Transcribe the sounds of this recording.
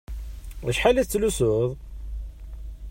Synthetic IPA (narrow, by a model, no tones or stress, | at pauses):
æʃħaliθt͡sːlusʊðˤ